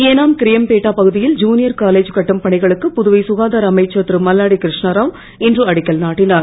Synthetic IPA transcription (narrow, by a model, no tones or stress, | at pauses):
eːnaːmkɪɾɪjɐmpeːʈːaːpɐɣɯðɪjɪld͡ʒuːnɪjɐɾkaːleːd͡ʒkɐʈːɯmpɐɳɪɣɐɭɯkːɯpʊðʊʋɐɪsʊɣaːðaːɾɐmɐɪt͡ʃːɐt̪ɾɯmɐlːaːɽikɪɾɪʂɳɐɾaːm | ɛndrɯɐɽɪkːɐlnaːʈːɪnaːɾ